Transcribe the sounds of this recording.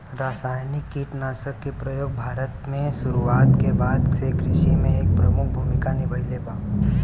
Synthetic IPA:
ɾaːsaːjnɪkːiːʈnaːʃəkːepɾɐjoːɡ̚bʱaːɾət̪mẽsʊɾuaːt̪kebaːd̪sekɾɪʃimẽeːk̚pɾɐmʊk̚ʰbʱuːmɪkanɪbəɽileːbaː

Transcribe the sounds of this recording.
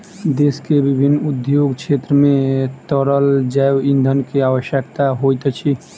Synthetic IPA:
d̪eskebibʱinːud̪joɡkʰt͡ʃʰet̪ɾəmet̪əɾəld͡ʒajind̪ʱənkeawəʃjək̚t̪aɦojt̪t͡ʃʰi

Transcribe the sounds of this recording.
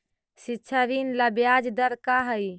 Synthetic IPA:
sitːʃʰaɾinləbjad͡ʒd̪əɾkaɦəj

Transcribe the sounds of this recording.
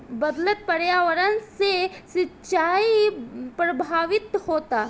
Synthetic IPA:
bɐd̪lət̪̚pɐɽjaʋəɾənsesɪtːt͡ʃaːipɾɐbʱaːʋɪt̪hoːt̪aː

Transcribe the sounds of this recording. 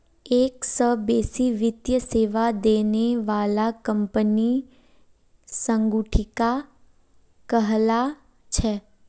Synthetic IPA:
eːksəbeːsiʋɪd̪jəseːʋad̪eːneʋaːlakə̃mpəni | sə̃ŋɡuʈʰɪka | kəɦla | t͡ʃʰɛː

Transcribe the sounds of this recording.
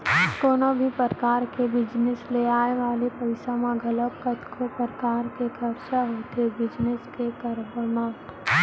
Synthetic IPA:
koːnobʱipəɾkaːɾkebɪd͡ʒnesleaːeʋaːlepɐɪsamãɡʱɐləkkət̪kʰopəɾəkaːɾkekʰɐɾʃaɦot̪ebɪd͡ʒneskekɐɾbəɾmaːt̪

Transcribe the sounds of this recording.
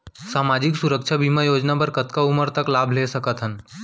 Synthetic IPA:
saːmaːd͡ʒɪksʊɾəkt͡ʃʰabʱimajoːd͡ʒnapəɾkət̪kaʊməɾt̪əklaːbʱlesəkət̪ɦən

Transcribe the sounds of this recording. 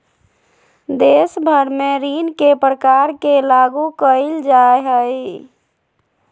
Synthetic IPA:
d̪esbʱəɾmeɾinkepɾəkaɾkelaɡukəɪld͡ʒaɦəj

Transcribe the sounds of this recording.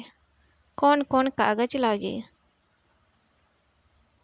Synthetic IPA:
koːnkoːnka̰ːɡət͡ʃlaːɡḭː

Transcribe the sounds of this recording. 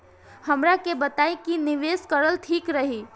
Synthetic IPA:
həmɾakebət̪ajkiniʋeskəɾəlt̪ʰikɾəɦi

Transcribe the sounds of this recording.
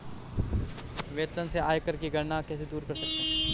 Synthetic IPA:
ʋeːt̪ənseaːjkəɾkiɡʱɐɾnakɛːsed̪uːɾkɐɾsɐk̚t̪eɦɛ̃

